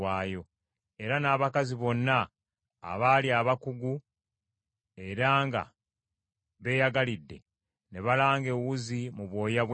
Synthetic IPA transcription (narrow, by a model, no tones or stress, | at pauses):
aːjo̞ | e̞ɾanaːβakaziβo̞nːa̰ː | βaliaːβakuɡu | e̞ɾaːŋɡa̰ | βe̞ːjaɡalidːe̞̰ | ne̞βalaːŋɡe̞wuzimuβwo̞ːjaβw